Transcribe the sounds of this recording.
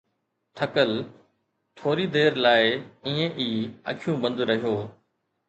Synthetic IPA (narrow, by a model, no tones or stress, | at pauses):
ʈ̪ʰəkəl | ʈ̪ʰoːɾid̪eːɾlaːɪiːẽʔiːɐ̰kʰjũbə̃nd̪ɾɐɦijoː